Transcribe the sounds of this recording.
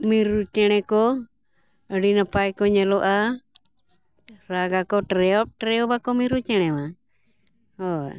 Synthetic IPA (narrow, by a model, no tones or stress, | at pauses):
miɾut͡ʃɛɽ̃ɛkɔ | əɖinapajkɔɲɛlɔʔa | ɾaɡakɔʈɾɛɔp̚ʈɾɛɔbakɔmiɾut͡ʃɛɽ̃ɛma | ɔ